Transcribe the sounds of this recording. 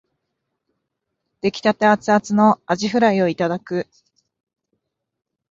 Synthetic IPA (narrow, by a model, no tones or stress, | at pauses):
d̪̥e̞kʲi̥t̪at̪eat͡sɨat͡sɨno̞aʑiɸɯ̟ɾaio̞it̪ad̪akɯ̟